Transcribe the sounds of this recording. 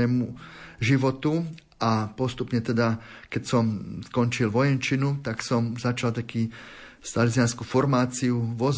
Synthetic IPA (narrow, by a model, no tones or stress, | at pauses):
ɛːmuʒiʋɔt̪u | apɔst̪upɲɛt̪ɛd̪akɛcsɔmskɔɲt͡ʃilʋɔjɛnt͡ʃinut̪aksɔmzat͡ʃalt̪akiːst̪alit͡sianskufɔɾmaːt͡siuʋɔz